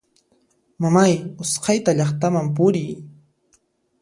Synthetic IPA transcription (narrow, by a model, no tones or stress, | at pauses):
mamajʊsqɑjt̪aʎɑχt̪amamp̬ʊɾɪj